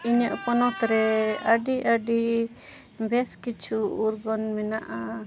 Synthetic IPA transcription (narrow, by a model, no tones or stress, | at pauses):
iɲəʔpɔnɔt̪ɾɛəɖiʔəɖi | bɛskit͡ʃʰuuɾɡɔnmɛnaʔa